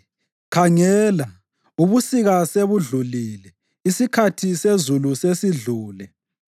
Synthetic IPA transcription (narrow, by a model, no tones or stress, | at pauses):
kʰaŋɛːla | uβusiɣaseβuɮulilɛ | isikʰatʰisezulusesiɮuːlɛ